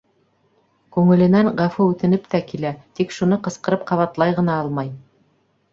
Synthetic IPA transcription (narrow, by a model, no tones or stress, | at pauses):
kʉŋɘ̆lɘ̆næŋʁɑfuʉt̪ɘ̆nɘpt̪ækilæt̪ikʃun̪ɤqɤ̆sqɤ̆ɾɤp̚qɑβɑt̪lˠɑjʁɤ̆n̪ɑɑlˠmɑj